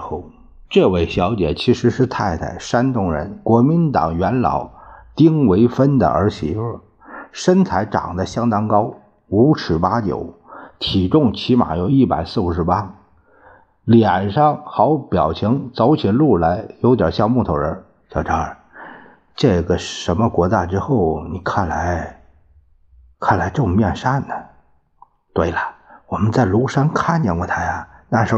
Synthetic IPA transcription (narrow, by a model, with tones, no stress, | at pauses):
xo˥˩ʊ | ʈ͡ʂɤ˥˧we˥˩ɪɕjɑ˧˥ʊt͡ɕjɛ̰˨˩t͡ɕʰi˧˥ʂɻ̩˧˥ʂɻ̩˥˧t̪ʰa˥˧ɪt̪ʰa̰˥˩ɪʂa˥nt̪ʊ˥˩ŋɻə̰˧˥nkwɔ˧˥mi˧˥nt̪ɑ̰˨˩ŋɥɛ˧˥nlɑ̰˨˩˦ʊt̪i˥ŋwe˧˥ɪfə˥nd̪ə̰˨ə̰˞˧˥ɕi˧˥fə˥˧˩ | ʂə˥nt͡sʰa˧˥ɪʈ͡ʂɑ̰˨˩ŋd̪ə˦˧ɕjɑ˥ŋt̪ɑ˥ŋkɑ˥ʊ | u˧˥ʈ͡ʂʰɻ̩˨˩pa˥t͡ɕjo̰˨˩˦ʊt̪ʰi˨˩ʈ͡ʂʊ˥˩ŋt͡ɕʰi˧˥ma̰˨˩jo˧˥ʊi˥˩pa̰˨˩ɪsɹ̩˥˩u˧˥˩ʂɻ̩˧˥pa˥ | ljɛ˨˩nʂɑ˥˩ŋxɑ˧˥ʊpjɑ˨˩ʊt͡ɕʰi˧˥ŋt͡sɑ˧˥ʊt͡ɕʰi˨˥nlu˥˩la˧˥ɪjo˧˥ʊt̪jɑ̰˨˩ɕjɑ˥˧ŋmu˥˩t̪ʰo˧˥ɻə˧˥ | ɕjɑ˨˩ʈ͡ʂʰə˧˥ə˧˩ | ʈ͡ʂɤ˥˩ɡə˩ʂə˧˥nmə˧kwɔ˧˥t͡ɕ̪a˥˧ʈ͡ʂɻ̩˥xo˥˩ʊni˨˩kʰa˥˩nla˧˥ɪ | kʰa˥˩nla˧˥ɪʈ͡ʂo˥˩ŋ˧mjɛ˥˧nʂa˥˩nd̪ə˩ | t̪we˥˩ɪlə˨˩wɔ˨˩mə˦nt͡sa˥˩ɪlu˧˥ʂa˥nkʰa˥˩nt͡ɕjɛ˥˩ŋkwɔ˧˩t̪ʰa˥ɪa˨˩na˥˩ʂɻ̩˧˥